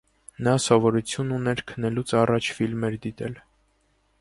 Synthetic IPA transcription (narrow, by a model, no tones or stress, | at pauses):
nɑsɔvɔɾut͡sʰjununɛɾkʰənɛlut͡sʰɑrɑt͡ʃʰfilmɛɾd̪it̪ɛl